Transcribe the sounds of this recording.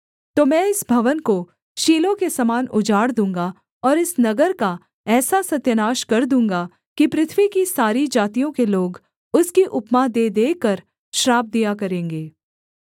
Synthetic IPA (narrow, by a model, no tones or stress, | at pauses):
t̪oːmɛ̃ːɪsbʱɐʋənko | ʃiːlõkesɐmaːnʊd͡ʒaːɽd̪ũːŋɡa | ɔːɾɪsnɐɡəɾka | ɛːsasɐt̪jənaːʃkɐɾd̪ũːŋɡa | kipɾɪt̪ʰʋikisaːɾid͡ʒaːt̪ijõkeloːɡ | ʊskiʔʊpmad̪eːd̪eːkɐɾ | ʃɾaːb̚d̪ijakɐɾẽːŋɡeː